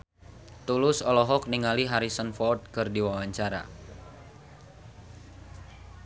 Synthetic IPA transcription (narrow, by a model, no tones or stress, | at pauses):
t̪ulʊsɔlɔɦɔk̚niŋaliɦaɾisənfɔt̪̚kɨrdiwawaɲt͡ʃaɾa̰